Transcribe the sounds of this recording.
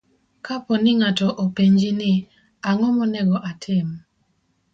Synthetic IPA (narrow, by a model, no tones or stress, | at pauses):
kapɔnɪŋatɔʔopeɲd͡ʒinɪ | aŋɔmɔnɛɡɔʔatʰɪm